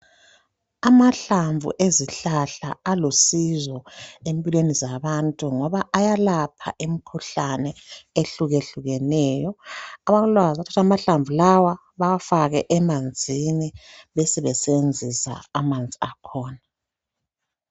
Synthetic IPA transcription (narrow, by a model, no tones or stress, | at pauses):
amaɬaɱvṵʔeziɬaɬa̰alosizɔempʼilwenizaβantʼuŋɔβaʔajalapʰa̰ʔemikʰuɬanɛeɬuɣeɬuɣɛnɛːjɔaβaɣulwazatʰḁtʰamaɬaɱvʱulawa | βawafaɣɛʔɛmand͡zʱiniβɛsɛβɛsɛβend͡zʱisa̰ːmand͡zʱʼiakʰɔːna